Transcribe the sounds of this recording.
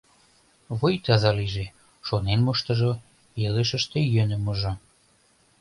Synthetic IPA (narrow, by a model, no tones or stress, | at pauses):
βojt̪ɑzɑliʒe | ʃonenmoʃt̪ɤ̆ʒo | eleʃə̆ʃt̪ejønə̆muʒo